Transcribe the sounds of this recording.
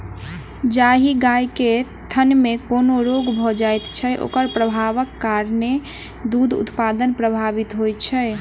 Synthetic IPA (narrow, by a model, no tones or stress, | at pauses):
d͡ʒaɦiɡajke | t̪ʰənmekonoɾoɡbʱɔd͡ʒajt̪t͡ʃʰɛʔo̰kəɾpɾəbʱaʋəkːaɾne | d̪ud̪ʱṵt̪pad̪ənpɾəbʱabit̪ɦojt͡ʃʰɛ